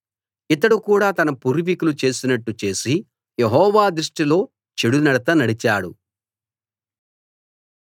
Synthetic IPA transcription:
it̪ːɐɽukuːɽaːt̪ɐnɐpuɾuʋikulut͡ʃe̞ːsinɐʈːut͡ʃe̞ːsi | jeɦɔːʋaːd̪ɾiʂʈilo̞ː | t͡ʃeɽunɐɽɐt̪ɐnɐɽit͡ʃaːɽṵ

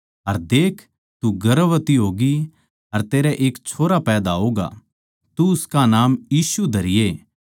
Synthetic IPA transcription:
ɐɾd̪eːkʰ | t̪uɡɐɾəʋət̪iɦoːɡi | ɐɾt̪eːɾɛʔeːkt͡ʃʰoːɾapɛːd̪aɦoːɡa̰ | t̪uʊskanaːmjiːsud̪ʱɐɾɪje

